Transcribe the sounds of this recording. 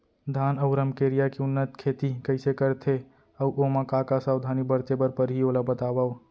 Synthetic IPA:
d̪ʱaːnɐʊɾəmkeːɾijakiʊnːət̪kʰeːt̪ikɐɪsekəɾt̪ʰe | ɐwʔomãkaːkasaːwd̪ʱaːnibəɾt̪ebəɾpəɾɦioːlabət̪aːʋa

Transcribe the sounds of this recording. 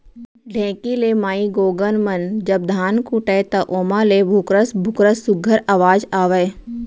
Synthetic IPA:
ɖʱɛ̃ːkileːmaːiɡoːɡənmɐnd͡ʒɐb̚d̪ʱaːnkuʈət̪ɐʔoːmalebʱʊkɾəsbʱʊkɾəsʊɡʱəɾaːʋaːd͡ʒaːʋə

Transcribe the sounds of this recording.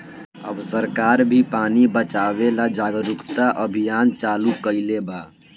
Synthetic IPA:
əbsəɾkaːɾbʱipaːnibət͡ʃaːʋelad͡ʒaːɡəɾʊkt̪aʔəbʱijaːnt͡ʃaːlukəɪlebaː

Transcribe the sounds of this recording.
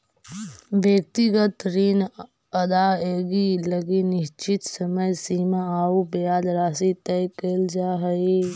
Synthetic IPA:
bjək̚t̪iɡət̪ɾiːn | ɐd̪aeːɡiləɡinɪʃt͡ʃɪt̪səməjsiːmaaubejaːd̪ɾaːsit̪ɛjkeld͡ʒaːɦəi

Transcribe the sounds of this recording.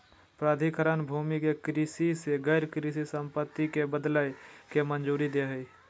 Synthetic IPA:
pɾaːd̪ʱikəɾənbʱuːmikekɾisiseɡəːɾkɾisisə̃mpət̪ːikebəd̪lajkemənd͡ʒuːɾid̪eɦəi

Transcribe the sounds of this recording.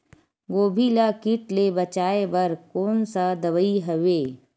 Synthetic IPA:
ɡoːbʱilakɪʈlebɐt͡ʃaːebɐɾkoːnsad̪ɐʋəiɦəʋeː

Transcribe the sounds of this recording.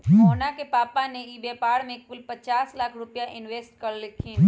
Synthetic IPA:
koːnakepaːpaneibeːpaːɽmẽkʊlpɐt͡ʃaːslaːkʰɾʊpjaʔɪnʋeːsʈkɐɽlɪkʰːiː

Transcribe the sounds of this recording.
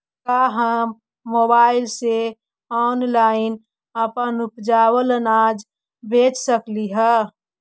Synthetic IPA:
kaɦəmː | obaɪlse | ɔnlaɪn | əpənupd͡ʒawəlnad͡ʒ | bʱet͡ʃsəkliɦə

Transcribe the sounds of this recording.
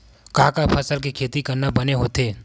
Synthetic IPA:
kaːkapʰɐsəlkikʰeːt̪ikɐɾnabɐneɦoːt̪eː

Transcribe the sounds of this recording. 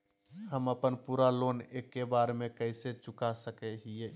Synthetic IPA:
həməpənpuɾalonekːebaɾmẽkəɪset͡ʃʊkasəkɛɦie

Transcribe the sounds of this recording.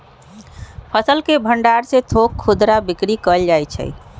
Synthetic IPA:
pʰəsəlkebʱəɳɖaɾsẽt̪ʰokʰːud̪ɾabikɾikəld͡ʒajt͡ʃʰə̰j

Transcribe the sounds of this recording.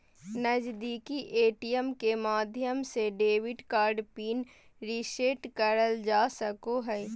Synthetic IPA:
nəd͡ʒd̪iːkiʔeːʈijəmkemaːd̪ʱjəmseɖeːʋɪɖkaːɾɖpiːn | ɾiʃeːʈkəɾəld͡ʒaːsəkoɦɛ

